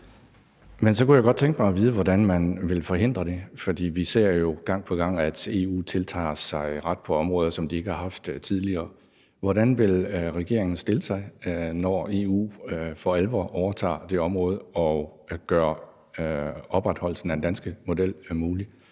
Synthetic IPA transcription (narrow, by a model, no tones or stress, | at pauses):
mensɒ̽kujæɡ̥ɒ̽d̥̚t͡sʰeŋɡ̥əmɑɪɒʋiːð̞ˠəʋɒdænmænʋe̝lfɒ̽ɦe̝n̰d̥ʁɐd̥e̝fɒ̽d̥ḭːʋise̝̰ɐ̰jo̝ɡ̥ɑ̈ŋ̰pʰɒ̽ɡ̥ɑ̈ŋ̰æd̥e̝ṵːt͡sʰe̝lt͡sʰɑ̰̈ːsɑ̈ɪʁɑ̈d̥̚pʰɒ̽ɒ̽mʁɔ̽ːð̞ˠɐsɒ̽md̥ie̝ɡ̥əhɑ̈hɑ̈fd̥t͡sʰið̞ˠliɐː | ʋɒɾænʋe̝lʁɛɡ̥e̝̰ɐ̰eŋn̩sd̥e̝ləsɑ̈ɪnɒe̝ːṵːfɒelʋɒʔɒʊɐt͡sʰɑ̰̈ːd̥e̝ɒ̽mʁɔ̽ːð̞ˠəɒ̽ɡ̥ɶːɐ | ɒ̽b̥ʁɑd̥hɒ̽l̰sn̩ænd̥ænsɡ̥əmo̝d̥el̰muːli